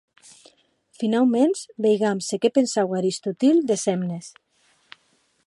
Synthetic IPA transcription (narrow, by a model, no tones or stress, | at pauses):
finawmensbejɣamsekepensawaɾist̪ut̪ild̪esɛmnes